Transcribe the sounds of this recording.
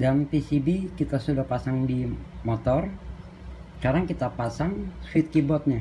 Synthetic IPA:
dampisibikit̪asudahpasaŋdimɔt̪ɔr | skaɾaŋkit̪apasaŋsuwɪt̪̚kibɔt̪̚ɲa

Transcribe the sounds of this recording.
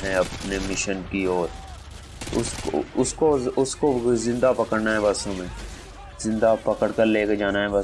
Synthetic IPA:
ɦɛ̃ɐpnemɪʃənkiɔːɾ | ʊ̰sko̰ʊskoʊskozɪ̃nd̪apɐkəɽnaɦɛbɐsõmẽː | zɪ̃nd̪apɐkəɽkəɾleːked͡ʒaːnaɦɛ̃bɐ

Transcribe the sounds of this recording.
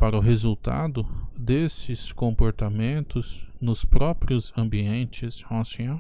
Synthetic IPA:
paɾɐʊɦezuwt̪a̰d̪ʊd̪esɪskõmpoɾt̪amẽnt̪ʊznʊspɾɔpɾiʊzɐ̃mbiẽnt͡ʃɪzõsẽo

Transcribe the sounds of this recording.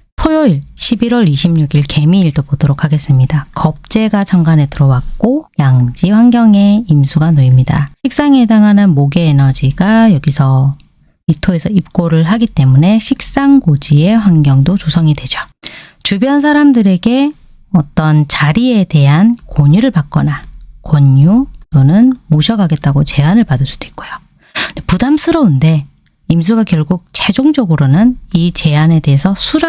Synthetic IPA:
tʰojoiɭɕʰibiɾwʌɾiɕʰimɲuɡiɭke̞miːɭdobodoɾokʰːaɡe̞s͈ɯmɲidakʌp̚t͡ɕ͈e̞ɡat͡ɕʌŋɡanetɯɾʌwak̚k͈ojaŋd͡ʑiɸwaŋɡjʌŋe̞imsʰuɡanoimɲida̰ɕʰik̚s͈aŋedaŋɦanɯnmoɡe̞ːnʌd͡ʑiɡajʌɡisʰʌ | itʰoe̞sʰʌip̚k͈oɾɯɭɦaɡit͈e̞mune̞ɕʰik̚s͈aŋɡod͡ʑie̞ɸwaŋɡjʌŋdot͡ɕosʰʌŋidwe̞d͡ʑo̥t͡ɕubjʌnsʰaɾamdɯɾe̞ɡe̞ | ʌt͈ʌnt͡ɕaɾie̞de̞ɦankoɲuɾɯɭpak̚k͈ʌnakwʌɲut͈onɯnmoɕʰʌɡaɡe̞t̚t͈aɡot͡ɕe̞anɯɭpadɯɭs͈u̥d̥oik̚k͈ojo | depudamsʰɯɾʌunde̞ | ims̬ʰuɡakjʌɭɡuk̚t͡ɕʰed͡ʑoŋd͡ʑʌɡɯɾonɯnit͡ɕe̞ane̞de̞ɦesʰʌsʰuɾa

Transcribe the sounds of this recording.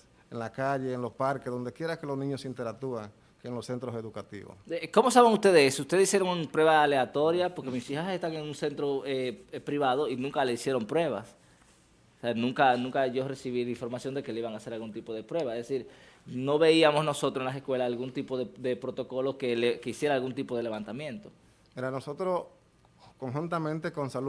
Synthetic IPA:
enlakaʝeːnlospaɾkezðo̞nd̪ekje̞ɾakelosnĩɲosint̪eɾak̚t̪uaŋ | keːnlose̞nt̪ɾoseðukat̪ḭβo̰seko̞mo̞saβeŋust̪e̞ðeesust̪eðsisjeɾo̞ŋpɾwe̞βaːle̞at̪o̞ɾjapo̞ɾkemisihasest̪aŋeŋunse̞nt̪ɾo̞epɾiβaðo̞inũŋkaleisje̞ɾo̞mpɾwe̞βas | seanũŋkanũŋkaʝo̞re̞siβiliɱfoɾmasjo̞nd̪e̞ke̞leiβaŋase̞ɾalɣunt̪ipo̞ðe̞pɾwe̞βaeðesiɾno̞βe̞iamo̞sno̞so̞t̪ɾosenlase̞skwe̞lasalɣunt̪ipo̞ðeðe̞pɾo̞t̪o̞ko̞lo̞skelekeisjeɾaːlɣunt̪ipo̞ð̞e̞le̞βant̪amjẽ̞nt̪o̞ | eɾanosot̪ɾos | koŋxunt̪amẽnt̪ekonsal

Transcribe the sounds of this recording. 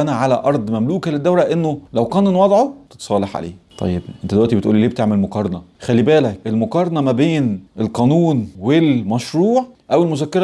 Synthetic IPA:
ʔænæʕalæ̰ʔɑɾˤd̪ˤmæmluːkæled̪ːæwɾæʔenːolæwqɑːnenwɑd̪ˤʕot̪e̥t̪sˤɑːleħʕa̰lḛːt̪ˤʰɑ̰jːebʔent̪æd̪ewæʔt̪ibet̪ʔṵːlːiːleːbet̪eʕmelmoqɑɾˤɑnɑxælːibæːlækʔelmoqɑɾˤɑnɑmæbeːnʔelqɑːnuːnwelmæʃɾˤuːʕʔæwelmozækːeɾˤ

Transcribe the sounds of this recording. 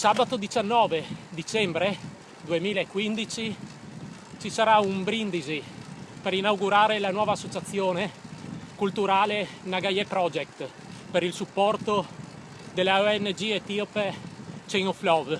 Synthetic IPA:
saːbat̪od̪it͡ʃanːɔːved̪it͡ʃɛmbɾe | d̪uemiːlaekːwind̪it͡ʃi | t͡ʃisaɾaumbɾind̪izipeɾinawɡuɾaːɾelanwɔːvaːsːot͡ʃat̪sːjoːnekult̪uɾaːlenaɡajepɾɔd͡ʒɛk̚t̪ | peɾilsupːɔrt̪o | d̪elːaoɛnːd͡ʒiet̪iopet͡ʃeŋoflɔv

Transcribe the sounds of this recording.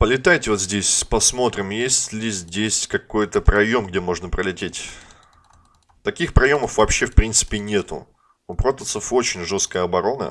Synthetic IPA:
pəlʲɪt̪ajtʲɪvo̞t̪zʲdʲesʲspɐsmo̞t̪ɾʲɪmjesʲtʲlʲɪzʲdʲesʲkɐko̞jt̪əpɾɐjo̞mɡdʲe̞mo̞ʐnəpɾəlʲɪtʲetʲ | t̪ɐkʲixpɾɐjo̞məfvɐpɕːefpɾʲint̪sɨ̥pʲɪnʲe̞t̪ʊ̰ | upɾot̪ət̪səfo̞t͡ɕɪnʲʐo̞st̪̚kəjəɐbɐɾo̞nə̰

